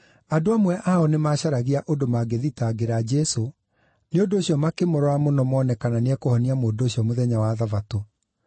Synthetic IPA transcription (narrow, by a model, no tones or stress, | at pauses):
adoamwɛʔaɔnemaɕaɾaɣiaʔondomaɡeðitaɡeɾad͡ʑɛso | neondoːɕiɔmakemoɾɔamonɔmɔːnɛkananeɛkohɔniamoːdoɕiɔmoðɛɲawaðavato